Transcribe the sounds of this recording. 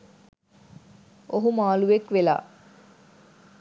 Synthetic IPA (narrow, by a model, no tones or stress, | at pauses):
oɦumaːluʋekʋela̰ː